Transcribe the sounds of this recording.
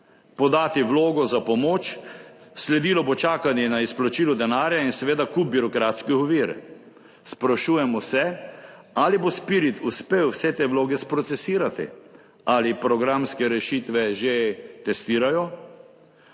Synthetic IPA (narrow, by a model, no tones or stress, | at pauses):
pɔd̪aːt̪iʋloːɡɔzapɔmoːt͡ʃ | slɛd̪iːlɔbot͡ʃaːkanjɛnaisplɔt͡ʃiːlɔd̪ɛnaːɾjainsɛʋeːd̪akup̚biɾɔkɾaːt̪skiɔʋiːɾ | spɾaʃuːjɛmɔsɛ | alibospiɾit̪ʰuspeːwwsɛt̪eːʋloːɡɛspɾɔt̪sɛsiːɾat̪ḭ | alipɾɔɡɾamskɛɾɛʃit̪ʋɛʒet̪ɛst̪iːɾajɔ